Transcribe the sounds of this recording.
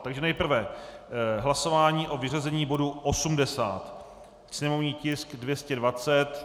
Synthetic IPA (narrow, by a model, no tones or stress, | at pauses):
t̪aɡʒɛnɛjpr̩vɛ | ɦlaso̞vaːɲiːʔo̞vɪr̝azɛɲiːbo̞duʔosumdɛsa̰ːt̪ | sɲɛmo̞vɲiːcɪskdvjɛscɛdvat͡sɛt̪